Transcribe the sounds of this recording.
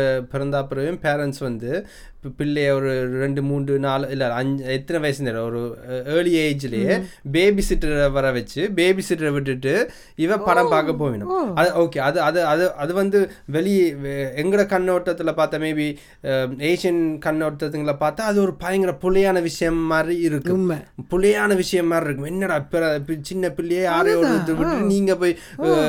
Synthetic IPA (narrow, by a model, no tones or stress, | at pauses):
pɪɾɐnd̪aːpɯɾɐʋjʊmpeːɾɛnʈsʋɐnd̪ɯ | pɪɭːɐjɔɾɯɾɛɳɖɯmuːɳɖɯnaːlɪlːɐɐɲɛt̪ːɐnɐʋɐjɐsɐneːɾɐɔɾɯeːɭɪeɪd͡ʒɪlɐjebeːbisɪʈːɐɾʋɐɾɐʋɛt͡ʃːɯbeːbisɪʈːɐɾɐʋɪʈːɯʈːɯ | ɪʋɐpɐɽɐ̃mpaːkɐp̬ːoːʋɪɳɯmɐðɯoːkeːɐðɯɐðɯɐðɯʔɐðɯʋɐnd̪ɯ | ʋɛɭɪɛŋɡɯɽɐkɐnːoːʈːɐt̪ːɪlɐpaːɾt̪ːameːbi | eːʂɪɐnkɐnːoːʈːɐt̪̬ːɯŋɡɐɭlɐpaːɾt̪aːɐðɯɔɾɯpɐjɐŋɡɪɾɐpʊlɐjaːnɐʋɪʂɐjɐmːaːdɾiɪɾɯkːɯmpʊlɐjaːnɐʋɪʂɐjɐmːaːd̪ɾiɪɾɯkːɯmɛnːɐɽɐpɪɾɐɪt͡ʃɪnːɐpɪɭːɪjeːaːɾɐjoːɽɯt̪ːɯɾʋɪʈːɯniːŋɡɐpoːj